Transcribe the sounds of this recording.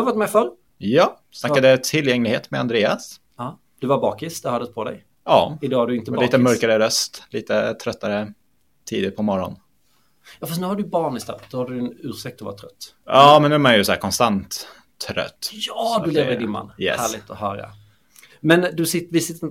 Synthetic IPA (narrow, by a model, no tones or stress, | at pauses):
hvaʈtmɛfœɾ | jɑː | snakːad̪ət̪ʰɪljɛŋlɪɡheːt̪mɛa̰nd̪ɾeːas | ɑː | d̪̥ɵvaɾbɑːkɪsd̪ɛhœːɖdəspʰɔd̪ɛ̰j | ʔɑːɪd̪ɑːhaɖɵɪnt̪əlːt̪əmœɾkaɾəɾœst̪liːt̪ət̪ʰɾœt̪ːaɾə | t̪ʰiːd̪ɪpʰɔmɔɾɔ̰n | jɑːfastnʉhaɖɵbɑːɳɪst̪œ̰ft̪d̪ɔhaɖɵnʉ̟ːɾʂɛk̚t̪ɔva̰ʈ̪ʰɾœt̪ː | jɑːmɛnːʉːɾmanjɵsɔːkʰɔnst̪ant̪ʰː | ɾœ̰t̪ːjɑd̪ɵleːvəɾd̪ɪnma̰nːjɛ̰hæːɭɪɡ̚t̪ɔhœːɾa̰ | mɛnd̪ɵsɪvɪsɪt̪ːə